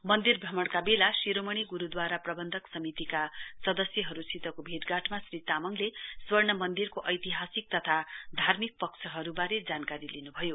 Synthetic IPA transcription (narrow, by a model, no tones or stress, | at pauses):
mʌnd̪irbʱʌmʌɽkabelasiɾomʌɽ̃iɡuɾud̪waɾaprʌbʌnd̪ʱʌksʌmit̪ikasʌd̪ʌsjʌɦʌɾusit̪ʌkobʱit̪ɡaʈʰmasrit̪amʌŋleswʌrnʌmʌnd̪irkoʔʌjt̪iɦasik̚t̪ʌt̪ʰad̪ʱarmik̚pʌkt͡sʰʌɦʌɾubaɾed͡zankaɾilinubʱʌjo